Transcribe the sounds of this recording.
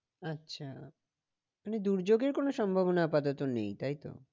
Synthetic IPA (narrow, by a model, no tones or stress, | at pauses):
atːɕʰa | maned̪uɾd͡ʑoɡeɾkonoʃɔmbʱabonaapad̪ot̪onḛjt̪ajt̪o̰